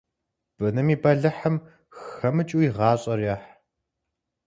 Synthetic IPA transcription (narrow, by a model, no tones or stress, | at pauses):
b̥ɨnɐmiːbɐɮɐħɐm | xxɐmɨt͡ʃʼuiʁɑːɕʼɐrjɐːħ